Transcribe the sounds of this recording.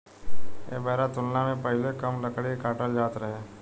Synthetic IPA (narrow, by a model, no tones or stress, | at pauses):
ḛːbɛːɾat̪ʊlnamẽpəɦɪlekəmləkɽikaːʈəld͡ʒaːt̪ɾəɦeː